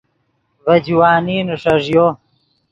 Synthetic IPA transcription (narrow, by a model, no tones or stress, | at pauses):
vɐd͡ʑwaːniːnuʂɐʐjo